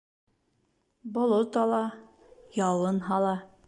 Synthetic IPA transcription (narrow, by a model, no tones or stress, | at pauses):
bŏlˠot̪ɑlˠɑ | jɑwɤnɦɑlˠɑ